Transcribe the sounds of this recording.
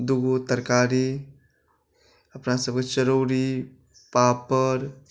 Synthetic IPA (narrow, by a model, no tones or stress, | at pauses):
d̪uɡot̪əɾkaɾi | əpnasəb̚ket͡ʃəɾoːɾi | papːəɾ